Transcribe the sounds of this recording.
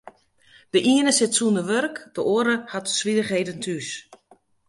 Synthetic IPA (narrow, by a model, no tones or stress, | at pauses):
d̥əʔiənəsɪtsuəndəʋørkd̥əʔoːəɾəhatsʋidəxɦeːdəntʰys